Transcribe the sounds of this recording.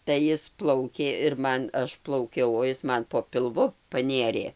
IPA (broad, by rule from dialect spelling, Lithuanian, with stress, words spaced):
tɐɪ ˈjɪs ˈplˠɐʊkʲeː ɪr ˈmɐn ˈɐʃ plˠɐʊˈkʲɛʊ oː ˈɪs ˈmɐn poː pʲɪlˠˈʋʊ pɐˈnʲeːrʲeː